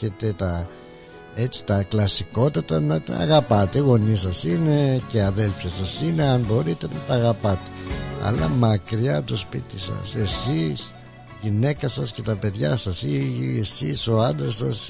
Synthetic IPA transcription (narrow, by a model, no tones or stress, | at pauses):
et̪e̞t̪ɐ | et͡si̥t̪ɐklɐsiko̞t̪ɐt̪ɐnat̪a̰ːɣapat̪eɣo̞nisɐsineceaðelfsesɐsine̞anbo̞ɾit̪e̞nat̪aːɣapat̪e̥ɐ̰lɐ̰mɐkɾiɐt̪o̞spit̪isɐ̰sesis | ʝine̞kɐsɐsce̞t̪ɐpe̞ðʝasɐsiesiso̞and̪ɾosɐs